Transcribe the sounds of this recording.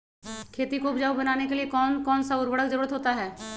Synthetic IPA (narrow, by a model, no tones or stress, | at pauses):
kʰeːt̪ikoːbd͡ʒaːubɐnaːnekeliekɔːnkɔːnsaʊɾbəɽəkd͡ʒəɐɾuːɾət̪ɦoːt̪aɦɛː